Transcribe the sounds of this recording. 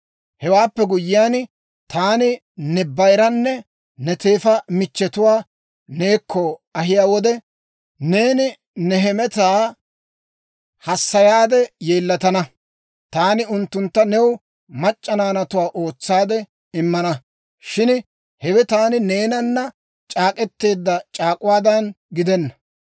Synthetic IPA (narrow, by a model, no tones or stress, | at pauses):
hɛwaːpːɛɡʊjːɪjaːn | t̪aːnɪ | nɛbːɐjɾɐnːɛ | nɛt̪e̞ːfɐmɪt͡ʃːɛt̪ʊwaː | neːkʰːɔɐɦɪjaːwɔd̪ɛ | neːnɪ | nɛɦɛmɛt̪aː | hɐsːɐjaːd̪ɛjeːlːɐt̪ɐnɐ | t̪aːnɪʊnt̪ːʊnt̪ːɐnɛw | mɐt͡ʃʼːɐnaːnɐt̪ʊwaːʔo̞ːt͡sːaːd̪ɛ | ɪmːɐnɐ | ʃɪn | hɛwɛt̪aːnɪne̞ːnɐnːɐ | t͡ʃʼaːkʼɛt̪ːe̞ːd̪ːɐt͡ʃʼaːkʼʊwaːd̪ɐn | ɡɪd̪ɛnːɐ